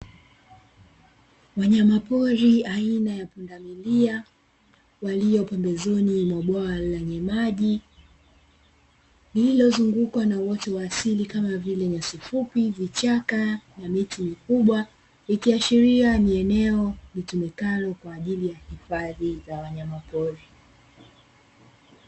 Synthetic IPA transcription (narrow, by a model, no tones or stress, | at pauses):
waɲamapɔɾiainajapundamilia | walijɔpɛmbɛzɔnimwaɓaalaɲɛmaʄi | lililɔzuŋɡukwanawɔtɛwaːsilikamavilɛɲasifupivit͡ʃakanamitimikuɓwa | ikiaʃiɾianiɛnɛɔvitumɛkalɔkwaːʄilijahifaðizawaɲamapɔɾi